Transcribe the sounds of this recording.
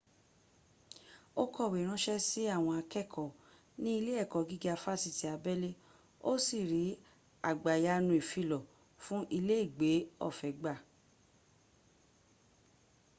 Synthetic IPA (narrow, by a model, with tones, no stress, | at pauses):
o˦kɔ˦˨we˨ɾ̃ã˨˦ʃɛ˦si˦a˦˨w̃ɔ̃˧a˧kɛ˦˨kʰɔ˨ | nĩ˦i˧le˦ɛ˦˨kɔ˨ɡi˦ɡa˧fa˦˨si˧ti˨˦a˧bɛ˦le˦ | o˦si˦˨ɾi˨˦ | a˨ɡ͡ba˨ja˧˦nũ˧i˨fi˧lɔ˨ | fũ˦ʔi˧le˦i˦˨ɡ͡be˨˦ɔ̰˦˨fɛ˨˦ɡ͡ba˦˨